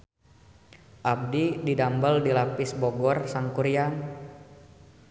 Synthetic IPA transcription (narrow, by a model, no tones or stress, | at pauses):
ʔab̚dididambəldilapɪsboɡɔrsaŋkuɾian